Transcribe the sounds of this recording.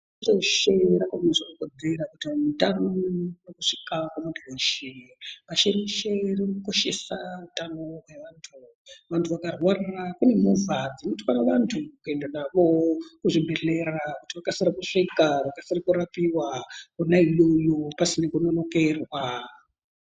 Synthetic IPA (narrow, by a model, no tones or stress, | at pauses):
ɮoʃerakaneʐikuko̞d͡zeɾakutimutanonokuʂi̥kakwamuɡoʃemaʃeriʃeririkuko̞ʃe̞̰sautanowe̞ʋaːntʰu | ʋantʰuʋakarwarirakune̞muvad͡zinutikwanaʋantʰukue̞ndanaʋokuʐibʱe̞ɬe̞ɾakutiʋakasiɾakuʂikarakasirikuɾapiwakunailojopasinekunono̞ke̞rwa